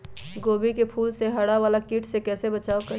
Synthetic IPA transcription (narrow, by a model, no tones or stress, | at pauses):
ɡoːbikepʰuːlseɦɐɽaʋaːlakiʈʰsekɛːsebət͡ʃaːokə